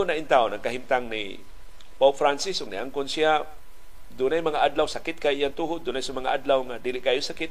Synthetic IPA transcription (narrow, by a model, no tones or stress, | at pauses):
ʊnaʔint̪aʊnaŋkaɦimt̪aŋnḭ | pawp̚fɾansɪsʊɡ̚niʔaŋkʊnsia | d̪ʊnajmaŋaʔad̪lawsakɪt̪̚kajijaŋt̪uɦʊd̪ʊnajsʊmaŋaʔad̪lawŋad̪ilɪʔkajosakɪt̪̚